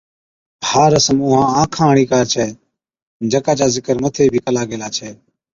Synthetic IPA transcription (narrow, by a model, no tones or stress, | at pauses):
haːɾəsəmʊːɦãːãːkʰãːɳ̃iːkaːɾt͡ʃʰɛː | d͡ʒəkaːt͡ʃaːzɪkəɾmət̪ʰeːbʱiːkəlaːɡeːlaːt͡ʃʰɛː